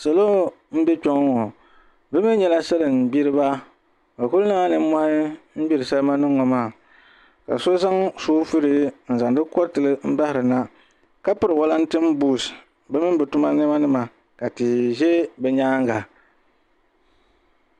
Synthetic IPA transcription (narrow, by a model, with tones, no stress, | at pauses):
sa˨loː˦ | m̩˦bɛ˦t͡ʃɔ˦ŋ˦ŋɔ˨ | bɛ˦mɛ˦ɲɛ˦la˦sa˦lɨ˨m̩˨bi˦ɾɨ˦ba˦ | ba˨ku˦lnɨ˦a˦nɨ˨m˦ma˦hɪ˦m̩˦bi˦ɾɨ˨sa˦lma˦nɨ˦ŋːɔ˨maː˦˨ | ka̰˨so˦za˦ŋsoː˦fɨ˦ɾɨ˦n̩˨za˨ndɨ˦kɔ˦ɾtɨ˨lɨ˦m̩˦ba˦hɪ˨ɾɨ˨na˦ | ka˦pɨ˦ɾɨ˨wɔ˦la˦n̩˦tɨ˦m˦buː˦˨s | bɛ˦mɨ˦n˦bɨ˨tu˦ma˦nɨ˦ma˦nɨ˦ma˨ | ka˨tɨ˨ʒe˦bɛ˦ɲaː˦ŋɡa˨